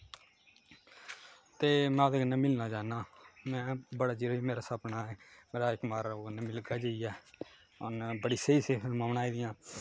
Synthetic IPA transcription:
t̪eːmɛ̃od̪eːɡənːaːmɪlnaːd͡ʒaːnaːmɛ̃ːbəɽaːd͡ʒiɾiːmeːɾaːsapnaːɛːmeːɾaːɪkmaːɾoɡəneːmɪlɡaːd͡ʒeiɛː | onbəɽiːseiːseːpʰɪlmaːʋnaːiːd̪ɪjãː

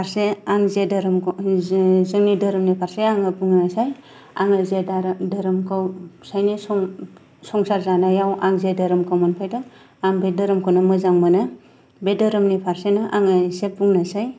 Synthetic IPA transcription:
pʰaɾseaŋzedɾm | zɯŋnidɐɾɯmnipʰaɾseaŋɯbuŋnasaj | aŋɯzeaɾdaɾɯmkʰawsajnisɔŋ | sɔŋsaɾzanajawʔaŋzedaɾɯmkʰawmanpʰajdɯ | aŋbedɯɾɯmkʰawnɯmɯzaŋmanɯ | bedɯɾɯmnipʰaɾsenɔʔaŋɯsebuŋnasaj

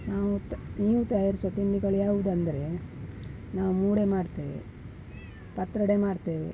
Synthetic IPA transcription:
naːʋuniːʋut̪ɐjaːɾisɐt̪iɳɖiɡɐɭjaːʋud̪ɐnd̪ɐɾe̞ | naːʋumuːɽe̞maːɽt̪eːʋḛ | pɐt̪ːɾɐɽeːmaːɽt̪eːʋḛ

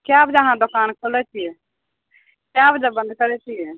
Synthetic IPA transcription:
kjabd͡ʒaɦãd̪okaːnkʰolɛt͡ʃʰiɛ | kjabd͡ʒabə̃nd̪kəɾɛt͡ʃʰijɛ

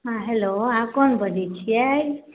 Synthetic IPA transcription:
ɦãɦeloakɔnbəd̪ʱit͡ʃʰiaj

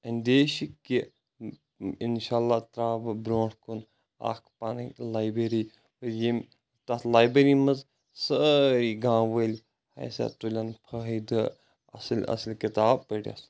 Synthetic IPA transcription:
ɐnʲd̪eːʃikːi | inʃaːlːaːt̪ɾaːbɨbɾoːʈkun | a̰ːkʰpanɐlaːjbɾeɾiː | ɨjem | t̪at̪laːjbeɾimɐz | səiɡãːʋəlʲ | hɐ̰jsa̰t̪ulʲanpʰɐɦd̪ɨ | ɐ̰slʲɐ̰slʲkit̪aːb̚pəɽʲa̰ːs

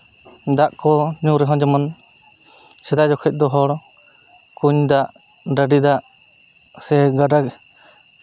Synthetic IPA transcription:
d̪aʔkɔɲuɾɛɦɔ̃d͡ʒɔman | sɛd̪ad͡ʒɔkʰɛc̚ˀd̪ɔɦɔɽ | kuɲd̪aʔ | ɖəɖid̪aʔ | sɛɡaɖak

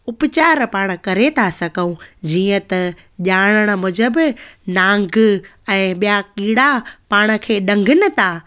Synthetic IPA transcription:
ʊpt͡ɕaːɾpaːɽ̃̆kɐɾet̪ʰasɐɡʱəũd͡ʑiːə̃t̪ɐ | ʄaːɽ̃əɽ̃ə̆mʊd͡ʑəbnãːŋɡɛ̃ːɓijakiːɽapaːɽ̃ə̆kʰeːɗɐ̃ŋɡʱɪnɪ̆t̪ʰaː

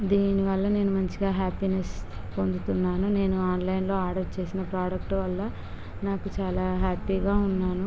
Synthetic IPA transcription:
d̪iːniʋɐlːɐne̞ːnumɐɲt͡ʃiɡaːɦaːpines | po̞nd̪ut̪unːaːnune̞ːnuaːnlɐjnlo̞ːaːɾɖɐɾt͡ʃe̞ːsinɐpɾaːɖɐkʈuʋɐlːɐ | naːkut͡ʃaːlaːɦaːpiːɡaːunːaːnu

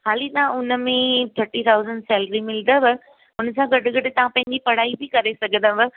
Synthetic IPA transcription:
haːlit̪ɐʋãʊnəmẽt̪ʰɐɾʈit̪ʰaːʊzəɳɖsɛːlɾimɪl̃nd̪əʋɪ | ʊnəsãɡɐɖʊɡɐɖɪt̪ɐʋ̤ãpɐ̃ɦɪ̃ɲd͡ʑipɐɽ̤aːibʱɪkɐɾesɐɡʱə̃nd̪ãbɪ

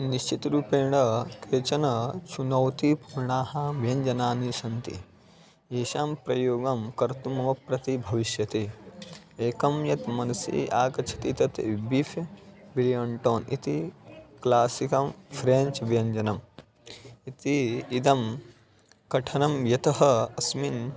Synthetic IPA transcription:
niʃt͡ʃit̪ɾuːpeːɳɐkɾeːt͡ʃɐnɐt͡ʃʰunɐwt̪ipuɾɳaːhɐʋjɐɲd͡ʒɐnaːniʃɐnt̪ḭ | eːʃaːmpɾɐjoːɡɐmkɐɾt̪umɐʋɐpɾɐt̪ibʱɐʋiʃjɐt̪eː | eːkɐmjɐt̪mɐnɐsḭːʔaːkɐt͡ʃʰɐ̥t̪it̪ɐt̪ibifjɐbilijɐɳʈoːnḭt̪iklaːsikɐmfʰɾent͡ʃʋjɐɲd͡ʒɐnɐm | it̪iːd̪ɐm | kɐʈʰɐnɐmjɐt̪ɐɦɐɐsmin

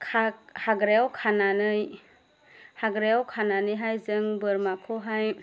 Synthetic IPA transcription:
kʰahaɡɾewkʰananɯj | haɡɾewkʰananɯjɦajzɯŋbɯɾmakʰɔɦaj

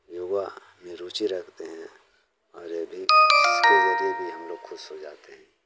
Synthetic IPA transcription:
joːɡa | mẽɾuːt͡ʃiɾɐkʰt̪eɦɛ̃ | ɔːɾebʱiɪskezɐɾiebʱiɦɐmloːɡxʰʊʃɦod͡ʒaːt̪eɦɛ̃ː

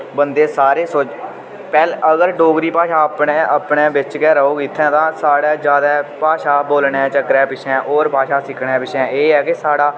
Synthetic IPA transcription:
bənd̪eːsaːɾeːsʊt͡ʃ | pɛːləɡəɾɖoːɡɾiːpaːʃaːəpɳẽːəpɳeːbɪt͡ʃkɛːɾəoːkiːt̪ʰːɛ̃ːt̪ãːsaːɽaːd͡ʒjaːd̪aːpaːʃaːboːlɳɛ̃ːt͡ʃəkːɾɛ̃ːpɪt͡ʃʰɛ̃ːʔɔːɾpaːʃaːsɪkʰɽɛ̃ːpɪt͡ʃʰɛ̃ːeːɛːkɪsaːɽaː

